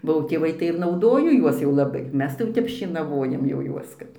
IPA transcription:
bɐʊ tʲeːˈʋɐɪ tɐɪ ɪr nɐʊˈdoːjoː ˈjuɔs jɛʊ lˠɐˈbɐɪ ˈmʲɛs tɐɪ ˈtʲɛp ʃʲeːnɐˈʋoːjɛm jɛʊ ˈjuɔs ˈkɐt

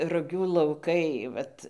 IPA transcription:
rʊˈɡʲuː lˠɐʊˈkɐɪ ˈʋɐt

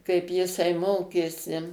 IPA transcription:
kɐɪp jɪˈsɐɪ ˈmoːkʲeːsʲɪ

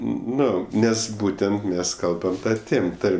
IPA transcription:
ˈnʊ ˈnʲɛs ˈbuːtʲɛnt ˈmʲɛs ˈkɐlˠbɐm ˈtɐ ˈtʲeːm ˈtɐrʲmʲ

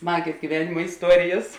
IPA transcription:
ˈsmɑːɡʲeːs ɡʲiːˈʋʲæːnʲɪmɐ ɪsˈtuɔrʲɪjɛs

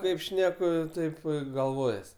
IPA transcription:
ˈkɐɪp ˈʃʲnʲæːkʊ ˈtɐɪp ɪ ɡɐlˠˈʋoːjɛs

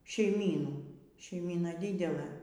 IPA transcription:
ʃʲɛɪˈmʲiːnuː ʃʲɛɪˈmʲiːnɐ ˈdʲɪdʲɛlˠɘ

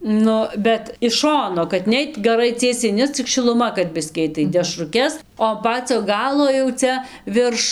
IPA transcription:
ˈnʊ bʲɛt ɪʃ ˈʃoːnoː kɐt ˈnʲɛɪt ɡɐˈrɐɪ ˈt͡sʲiɛsʲɛɪ ˈnʲɛ t͡sʲɪk ʃʲɪlˠʊˈmɐ kɐt ˈbʲɪsʲkʲiː ˈɐɪt tɐɪ dʲɛʃrʊˈkʲɛs oː ɐn ˈpɑːt͡sʲoː ˈɡɑːlˠoː jɛʊ ˈt͡sʲɛ ˈʋʲɪrʃ

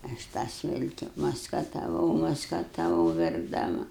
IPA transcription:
ˈɐʃ tɑː ˈsʲɪlʲkʲɪ mɐskɐtɐˈʋɐʊ mɐskɐtɐˈʋɐʊ ʋʲɛrɡdɐˈmɐ

